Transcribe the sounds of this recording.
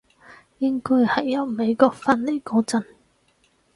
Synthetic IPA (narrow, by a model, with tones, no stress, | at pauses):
jɪ˥ŋkɔː˥jhɐ˨˩jːɐ˨˧wme˨˧jkɔː˧k̚fa˧nli˥kɔː˧t͡sɐ˨˧n